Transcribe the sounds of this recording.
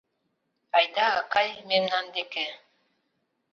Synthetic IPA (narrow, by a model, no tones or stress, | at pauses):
ajd̪aakajmemnand̪eke